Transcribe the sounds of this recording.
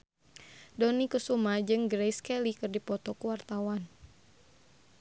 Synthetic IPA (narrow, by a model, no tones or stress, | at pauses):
dɔnikusumad͡ʒɨŋɡɾɛjskɛlikɨrdipɔt̪ɔkuwart̪awan